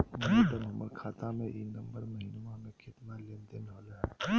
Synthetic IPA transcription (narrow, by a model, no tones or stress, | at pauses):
mɐid̪əmɦɐməɾkʰaːt̪ãmẽʔinɐ̃mbəɾmɐɦinmãmẽkɪt̪nalend̪ɪnɦolɦ